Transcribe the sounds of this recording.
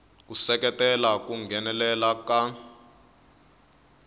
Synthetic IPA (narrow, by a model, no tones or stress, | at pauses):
k̬usɛk̬ɛtʼɛlak̬ʼuŋɡʱɛnɛlɛlaka